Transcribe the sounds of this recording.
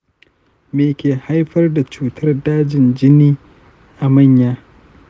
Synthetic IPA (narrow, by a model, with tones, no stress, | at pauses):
meː˨kʲeː˨ha˦jɸɐ˦rda˨t͡ʃuː˦tʰɐ˦rdaː˦d͡ʒɪ˨nd͡ʒɪ˦niː˦ | ʔa˨mɐ˦˨ɲjaː˦